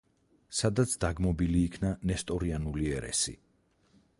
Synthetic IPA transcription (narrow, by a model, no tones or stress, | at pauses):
sad̪at̪sʰd̪aɡmɔbiliːkʰnanɛst̪ʼɔɾianuliɛɾɛ̰sḭ